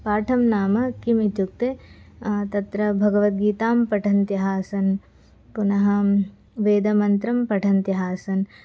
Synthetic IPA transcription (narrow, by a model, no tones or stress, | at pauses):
paːʈʰɐmnaːmɐkimit̪uk̚t̪e | t̪ɐt̪ɾɐbʱɐɡɐʋɐt̪̚ɡiːt̪aːmpɐʈʰɐnt̪jɐɦaːsɐn | punɐɦɐ | ʋeːd̪ɐmɐnt̪ɾɐmpɐʈʰɐnt̪jɐɦaːsɐn